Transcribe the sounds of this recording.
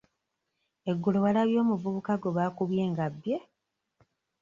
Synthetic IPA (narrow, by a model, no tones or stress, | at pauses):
e̞ɡːuloβalaβjo̞ːmuvuβukaɡo̞βaːkuβje̞ːŋɡabːje